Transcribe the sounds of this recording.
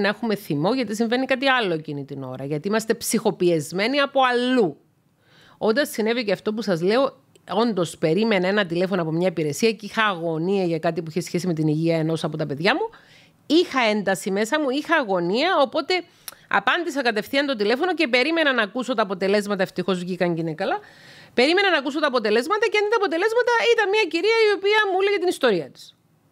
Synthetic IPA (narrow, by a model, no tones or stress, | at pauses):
nɐexume̞θimo̞ʝɐt̪is̬iɱve̞nikɐt̪iɐlːo̞ecinit̪ino̞̰ɾɐʝɐt̪iimɐst̪e̞psixo̞piezme̞niɐpo̞ɐlːu | o̞nd̪ɐssine̞viceɐft̪o̞p̬usɐzle̞o̞ | o̞nd̪o̞spe̞ɾime̞nɐe̞nɐt̪ile̞fo̞noɐpo̞mɲɐipiɾe̞siɐceixɐːɣo̞niɐʝɐkɐt̪ipuiçesçe̞sime̞t̪iniʝiɐe̞no̞sɐpo̞t̪ɐpe̞ðʝɐmu | ixɐe̞nd̪ɐsime̞sɐmuixɐːɣo̞niɐo̞po̞t̪e̞ | ɐ̰pɐnd̪isɐkɐt̪e̞fθiɐnt̪o̞t̪̬ile̞fo̞no̞ce̞pe̞ɾime̞nɐnɐkuso̞t̪ɐːpo̞t̪e̞le̞zmɐt̪ɐeft̪ixo̞zvʝikɐɲɟinekɐlɐ | pe̞ɾime̞nɐnɐːkuso̞t̪ɐːpo̞t̪e̞le̞zmɐt̪ɐceɐnit̪ɐːpo̞t̪e̞le̞zmɐt̪ɐit̪ɐnmiɐciɾiɐio̞piɐmuuleʝɐt̪inist̪o̞ɾiɐt̪i̥s